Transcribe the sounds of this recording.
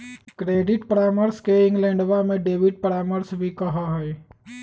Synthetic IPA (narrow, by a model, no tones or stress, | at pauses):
kɾeːɖɪʈpɾaːməɾskeɪ̃ŋɡlɛ̃ːɳɖʋamẽɖeːʋɪɖ̚pɾaːməɾsbʱikɐɦaɦɛː